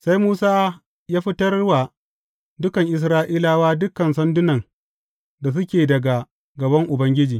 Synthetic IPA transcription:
sa˦jmuː˦saː˦ | jaː˦ɸɪ˦tɐ˦rwa˨ | dʊ˦kɐ˨ŋʔɪ˨s̬ɾaː˦ʔiː˦laː˦waː˦dʊ˦kɐ˨nsɐ˦ndʊ˦nɐ˨ŋ | da˨s̬ʊ˦kʲeː˨dɐ˨ɡa˨ | ɡɐ˨bɐ˦ŋʔʊ˨bɐ˦ŋɡʲɪ˦d͡ʒiː˨

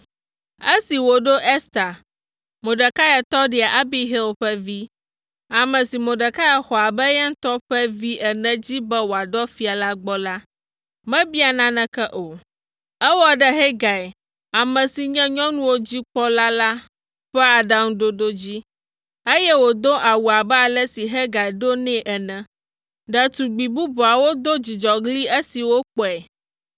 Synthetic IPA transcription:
e˦si˨wo˨ɖo˦ʔɛ˦st̪a˨ | mõ˨ɖɛ˨ka˦ja˨t̪ɔ˦ɖi˨a˨ʔa˦bi˦ɦi˦lɸɛ˦vi˦ | a˨mɛ̃˨si˨mõ˨ɖə˨ka˦ja˨xɔ˨a˨bɛ˦jɛ˦ŋ̩˦t̪ɔ˦ɸɛ˦vi˦ʔɛ˨nɛ̃˦d͡ʑi˦bɛ˦wo˨a˨d̪ɔ˦fi˨a˨la˦ɡ͡bɔ˦la˦ | mɛ̃˦bi˦a˨nã˦nɛ̃˨kɛ˦ʔo˨ | ɛ˦wɔ˦ɖɛ˨ɦɛ˦ɡa˨ɛ˨ | a˨mɛ̃˨si˨ɲɛ̃˦ɲɔ̃˦nũ˦wo˦d͡ʑi˦k͡pɔ˦la˦la˦ | ɸɛ˦a˨ɖa˨ŋ̩̃˦ɖo˦ɖo˦d͡ʑi˦ | e˦jɛ˦wo˨d̪o˦ʔa˨wu˨a˨bɛ˦a˨lɛ˦si˨ɦɛ˦ɡa˨ɛ˨ɖo˦nɛ̃˦ʔɛ˨nɛ̃˨ | ɖɛ˨t̪u˨ɡ͡bi˨bu˦bu˨a˨wo˦d̪o˦d͡ʑi˨d͡ʒɔ˨ɡli˦e˦si˨wo˦k͡pɔ˨ɛ˨

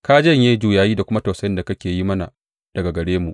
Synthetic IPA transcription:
kaː˦d͡ʒɐ˦˨ɲjeː˦d͡ʒuː˨jaː˨jiː˦da˨kʷʊ˦ma˦tɐ˨wsɐ˦jɪ˦nda˨kɐ˦kʲeː˨ji˦mɐ˦na˨ | d̥ɐ˨ɡa˨ɡɐ˨ɽeː˦mu˨ʔ

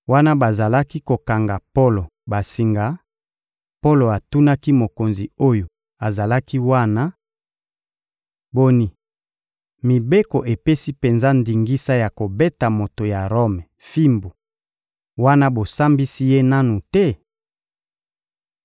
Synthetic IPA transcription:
wa˦na˦ba˨za˨la˦ki˦ko˨ka˨ŋɡa˨po˦lo˨ba˨si˨ŋɡa˨ | po˦lo˨a˨tu˦na˦ki˦mo˨ko˨nzi˨o˦jo˨ | a˨za˨la˦ki˦wa˦na˦ | bo˦ni˦ | mi˨be˦ko˨ʔe˨pe˦si˦pe˨nza˦ndi˨ŋɡi˦sa˦ja˨ko˨be˦ta˨mo˨to˨ja˨ʁo˦mɛ˨fi˦mbu˨ | wa˦na˦bo˨sa˦mbi˦si˦je˦na˦nu˨tɛ˦

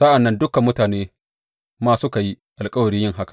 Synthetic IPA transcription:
sa˦ʔa˨nːɐ˦ndʊ˦ka˨mːʊ˦taː˨neː˦ | maː˦sʊ˦ka˨ji˦ | ʔa˨lkʼɐ˦wɐ˨ɽiː˦jɪ˦˨ŋɦa˦kḁ˨

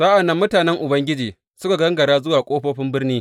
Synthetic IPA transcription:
saː˦ʔa˨nɐ˦mːʊ˦taː˨nɛ˦ŋʔʊ˨bɐ˦ŋɡʲɪ˦d͡ʒiː˨ | sʊ˦ka˨ɡɐ˦ŋɡɐ˨ɽaː˦zʊ˦waː˨kʷʼoː˦ɸoː˦ɸɪ˦mbɪ˦rniː˦

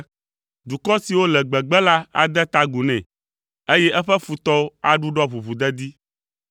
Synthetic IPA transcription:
d̪u˨kɔ˦si˨wo˦lɛ˨ɡ͡bɛ˨ɡ͡bɛ˦la˦a̰˨d̪ɛ˦t̪a˦ɡu˨nɛ̃˨ | e˦jɛ˦ʔɛ˦ɸɛ˦fu˨t̪ɔ˦a˨ɖu˦ɖɔ˦βu˨βu˨d̪ɛ˦d̪i˦

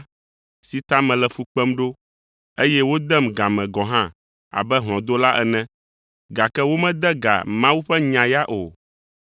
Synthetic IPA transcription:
si˨t̪a˦mɛ̃˨lɛ˨fu˨k͡pɛ˦mɖo˦ | e˦jɛ˦wo˦d̪ɛ˦mɡa˨mɛ̃˨ɡɔ̃˨ɦã˦ | a̰˨bɛ˦ɦl̃ɔ̃˨d̪o˦la˦ʔɛ˨nɛ̃˦ | ɡa˨kɛ˦wo˦mɛ̃˦d̪ɛ˦ɡa̰˨mã˦wu˦ɸɛ˦ɲã˨ja˦ʔo˨

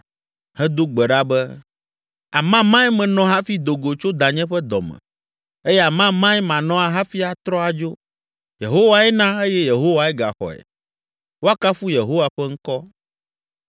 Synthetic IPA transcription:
hɛ˦d̪o˦ɡ͡bɛ˨ɖa˦bɛ˦ | a̰˨mã˦mã˦ɛ˦mɛ̃˨nɔ̃˦ɦa˦fi˦d̪o˨ɡo˨t͡ʃo˦d̪a˨ɲɛ̃˦ɸɛ˦d̪ɔ˨mɛ̰̃˨ | e˦jɛ˦a˨mã˦mã˦ɛ˦mã˨nɔ̃˦a˨ɦa˦fi˦a˨t̪ɾɔ˦a˨d͡ʒo˦ | je˨ɦo˦wa˨ɛ˦nã˦e˦jɛ˦je˨ɦo˦wa˦ɛ˦ɡa̰˨xɔ̰˨ɛ̰˨ | wo˦a˦ka˦fu˦je˨ɦo˦wa˨ɸɛ˦ŋ̩˦kɔ˦

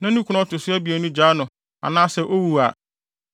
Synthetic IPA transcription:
nã˦nũ˦kʰʊ˦nɔ̃˦tʊ˨sʊ˦æ˦bi˨æ˨nʊ̃˦d͡ʑaː˨˦nʊ̃˨ | a̰˨nãː˦sɛ˨ʔo˦wu˨a̰˨

